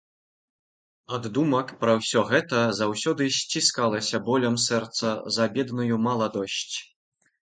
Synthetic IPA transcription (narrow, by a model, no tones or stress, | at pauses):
ad̪ːumɐkpɾɐwsʲɔɣɛt̪ɐzawsʲɔd̪ɨsʲt͡sʲiskalˠɐsʲɐbɔlʲɐmsɛrt̪sɐzɐbʲɛd̪nujumɐlˠad̪ɔɕʲt͡sʲ